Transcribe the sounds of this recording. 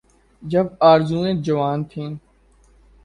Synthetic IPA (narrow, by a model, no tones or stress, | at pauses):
d͡ʒəbaːɾzũːẽːd͡ʒəʋaːnt̪ʰĩː